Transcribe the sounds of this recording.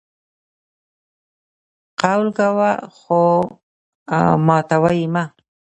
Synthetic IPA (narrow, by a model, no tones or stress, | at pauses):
qawlɡawaxo | mɑt̪awajima